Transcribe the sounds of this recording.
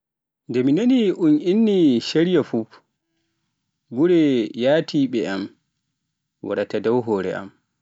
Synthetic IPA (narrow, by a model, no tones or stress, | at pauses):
ndɛminaniʔuninːiʃeɾijafuf | ɡuɾɛjaːtiːɓɛam | wa̰ɗatadawɦɔːɾɛ̰ʔa̰m